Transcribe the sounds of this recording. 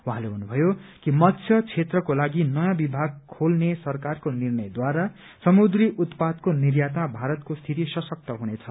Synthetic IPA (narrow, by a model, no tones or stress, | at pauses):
wuɦãleɦunubʱʌjokimʌt̪sʰjʌt͡sʰet̪rʌkolaɡinʌjãbibʱaɡ̚kʰolnesʌrkarkonirnʌjd̪waɾa | sʌmud̪riʔut̪pad̪konirjat̪mabʱaɾʌt̪kost̪ʰit̪isʌsʌk̚t̪ʌɦunet͡sʰʌ